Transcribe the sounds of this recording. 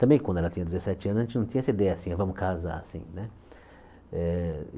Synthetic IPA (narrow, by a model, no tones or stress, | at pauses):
t̪ɐ̃bẽj̃kɐ̃d̪ɛlɐt̪ĩɲɐd̪ezesɛt͡ʃɪɐ̃nzaʒẽt͡ʃɪnɐ̃w̃t̪ĩɲɐɛsɐid̪ɛjɐsĩɛvɐ̃mʊkaza̰ɾasḭ̃nɛ | ɛ